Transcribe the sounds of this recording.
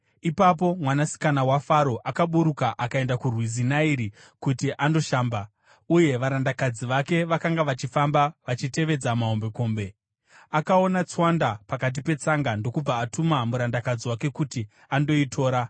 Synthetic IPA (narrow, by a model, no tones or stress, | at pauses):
ipap̬o̞mwanasi̥kanawafaɾo̞ʔakaɓuɾukaʔakae̞ndakurwizinaiɾi | kutiʔando̞ʃaːmba | uje̞ʋaɾandakad͡ziʋake̞ʋakaŋɡaʋat͡ʃifambaʋat͡ʃite̞ʋe̞d͡zamaɦombe̞ko̞ːmbe̞ | akao̞nat͡swandapakat̬ipe̞t͡saŋɡando̞kub͡vaːtumamuɾandakad͡ziwake̞kuti | ando̞itʰo̞ːɾa